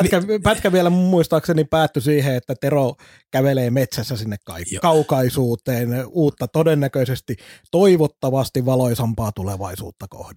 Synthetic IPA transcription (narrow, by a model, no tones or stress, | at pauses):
ikæpæt̪kæʋielæmumːuist̪ɑːksenipæːt̪ːysiːheet̪ːæt̪ero | kæʋeleːmet̪sæsːæsinːekkɑ̰ikːkɑukɑisuːt̪eːnuːt̪ːɑt̪odenːækøisest̪it̪oiʋot̪ːɑʋɑst̪iʋʋɑloisɑmpɑːt̪uleʋɑ̰isṵːt̪ːɑko̰hdɑ̥